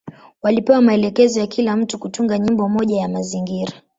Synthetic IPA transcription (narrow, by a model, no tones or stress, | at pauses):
walipɛwamaɛlɛkɛzɔjakilam̩tukutuŋɡaɲimbɔmɔʄajamaziŋɡiɾa